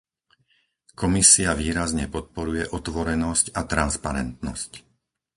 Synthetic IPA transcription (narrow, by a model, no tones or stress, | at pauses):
kɔmisiaʋiːɾazɲɛpɔt̪̚pɔɾujɛʔɔt̪ʋɔɾɛnɔscat̪ɾanspaɾɛ̰nt̪nɔ̰sc